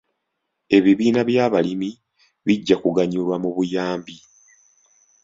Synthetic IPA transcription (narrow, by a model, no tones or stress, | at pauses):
e̞βiβiːnaβjaːβalimi | βiɟːakuɡaɲulwamuβujaːmbi